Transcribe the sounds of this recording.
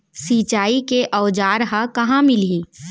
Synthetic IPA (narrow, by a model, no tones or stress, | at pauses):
siːt͡ʃaːikeʔɔʊd͡ʒaːɾɦɐkɐɦãmɪliː